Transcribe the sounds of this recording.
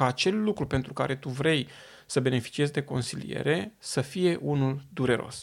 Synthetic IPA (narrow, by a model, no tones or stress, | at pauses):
aːt͡ʃe̞lːukɾupe̞nt̪ɾuka̰ɾe̞t̪uvɾe̞j | səbe̞ne̞fi̥t͡ʃie̞zʲd̪e̞ko̞̰nsilḭje̞̰ɾe̞səfije̞ʔunuld̪uɾe̞ɾo̞̰s